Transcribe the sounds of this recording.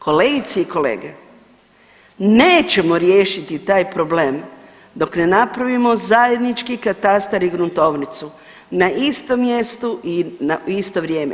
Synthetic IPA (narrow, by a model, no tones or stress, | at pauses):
ko̞le̞ːɡit̪seiko̞lḛːɡe | neːt͡ɕe̞mo̞ɾjeːʃit̪it̪aːjpɾo̞ble̞ːm | d̪o̞kne̞napɾaʋimo̞zaje̞d̪nit͡ʃkikat̪ast̪aɾiɡɾunt̪o̞ʋnit̪su | naʔist̪o̞mje̞st̪uʔinaist̪oʋɾʲje̞ːmḛ